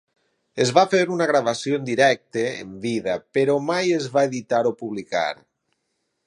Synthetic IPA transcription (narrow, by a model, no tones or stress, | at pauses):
ezβafeɾunaɣɾaβasjond̪iɾɛk̚t̪eḛmbiðapeɾomajezβaeðit̪aɾopuβlika̰ɾ